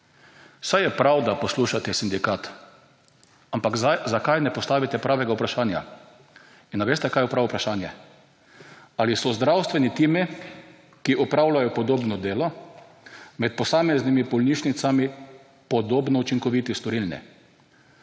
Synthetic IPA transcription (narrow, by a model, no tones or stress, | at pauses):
wsajɛpɾawd̪apɔsluːʃat̪ɛsind̪ikaːt̪ | ampaɡzakajnɛpɔst̪aːʋit̪ɛpɾʔaːʋɛɡaupɾaʃaːnja̰ | inːaʋeːst̪ɛkajʊpɾawupɾaʃaːnjɛ | alisɔzd̪ɾawst̪ʋɛnit̪iːmi | kiʔɔpɾawlajɔpɔd̪oːbnɔd̪eːlɔ | mɛt̪̚pɔsaːmɛznimibɔlniːʃnit̪sami | pɔd̪oːbnɔut͡ʃiŋkɔʋit̪ist̪ɔɾilnɛ̰